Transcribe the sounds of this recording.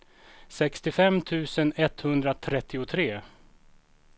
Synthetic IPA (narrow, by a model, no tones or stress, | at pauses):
sɛkst̪ɪfɛmːt̪ʰʉ̟ːsənɛt̪hɵnd̪ɾat̪ʰɾɛt̪ʰːɪʊt̪ʰɾeː